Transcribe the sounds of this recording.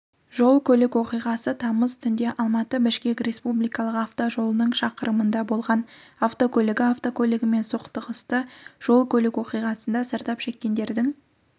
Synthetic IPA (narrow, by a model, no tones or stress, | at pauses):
ʒo̞lˠkʲʰɵlɪkwo̞qijʁɑsət̪ʰɑməzt̪ʰʏnd̪e̞ʔɑlˠmɑt̪əbɪʃkʲe̞krʲe̞spublijkɑlˠəqaft̪oʒo̞lˠənəɴʃɑqəɾəmənd̪ɑbo̞lˠʁɑnaft̪okʲʰɵlɪɡʲɪaft̪o̞kʰʲolɪɡʲɪme̞nsoqt̪əqəst̪əʒ̥o̞lˠkʲʰɵlɪkwo̞qijʁɑsənd̪ɑsəɾt̪ɑpʃe̞kʲːe̞nd̪e̞ɾd̪ɪŋ